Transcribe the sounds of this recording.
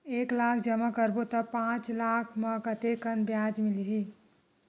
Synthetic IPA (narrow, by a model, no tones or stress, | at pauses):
eːklaːkʰd͡ʒəməkəɾbot̪əpãt͡ʃlaːkʰməkət̪ekənbjaːd͡ʒmiliɦi